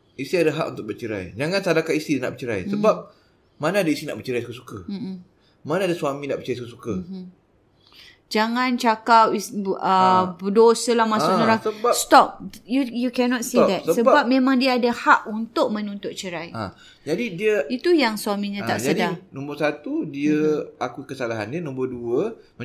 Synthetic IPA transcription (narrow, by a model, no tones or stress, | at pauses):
isiadaɦakunt̪ʊk̚bət͡ʃəɾa̰jd͡ʒaŋãnsadakaist̪idna̰ʔbət͡ʃəɾa̰jsəbap̚ | manaːdaisinaʔbət͡ʃəɾajsukəsukə | manaadasuamĩnaʔbət͡ʃəajsukəsukə | d͡ʒaŋãnt͡ʃakap̚iəbədosəlahmãsʊʔɲəɾaəbast̪ɔp̚ujukɛnɔt̚sidɛt̚əsəbbap̚mẽmãŋdiaːdahaʔunt̪ʊʔ̚mə̃nunt̪ʊt̪̚t͡ʃəɾaja̰ | d͡ʒadidiəit̪ujaŋsuamiɲãaʔsd͡ʒaədianɔ̃mbərsat̪udiəakukəsalaɦanːənɔ̃mbərduə | mə